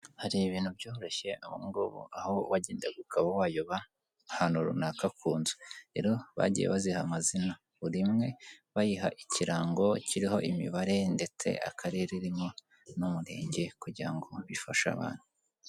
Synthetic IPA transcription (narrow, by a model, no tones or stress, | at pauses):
haɾiβiːn̥hubjo̞ːhoɾo̞çe̞aβṵŋɡoβo̰ʔahowaɟeːndaɡukʰaβawaːjoβa | hanuɾṵnakakʰuːnzu̥ɾe̞̰ɾo̞βa̰ɟḭjḛβazihamazina | βuɾimŋe̞βajiɦaʔiciɾaːŋɡo̞ciɾiɦo̞ʔimḭβaɾe̞nde̞t͡se̞̰ʔa̰kʰaɾe̞ɾiɾimo̞ | numuɾe̞̰ːɲɟe̞kuɟiɾaŋɡo̞βifaʃa̰βa̰ːn̥hu